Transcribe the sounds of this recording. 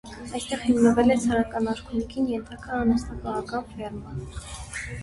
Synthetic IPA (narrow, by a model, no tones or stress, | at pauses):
ɑjst̪ɛʁhimnəvɛlɛt͡sʰɑɾɑkɑnɑɾkʰunikʰinjɛnt̪ʰɑkɑːnɑst̪ikɑʁɑkɑpʰɛɾmɑ